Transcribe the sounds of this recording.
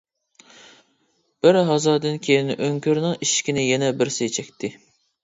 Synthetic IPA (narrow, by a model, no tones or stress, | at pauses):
b̥ɪɾɦɑzɑːd̪ɨnkʲʰejinʔøŋkʲʰøɾnɪŋiʃkʲinɪjɛnɛbɪɾsɪt͡ʃʰɛkʲt̪ʰɪ